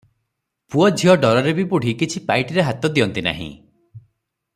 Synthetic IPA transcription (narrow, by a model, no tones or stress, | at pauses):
puɔd͡ʒʱiɔɖɔɾɔɾebibuɽ̤ʱikit͡ʃʰipajʈiɾeɦat̪ɔd̪iɔnt̪ina̰ɦḭ̃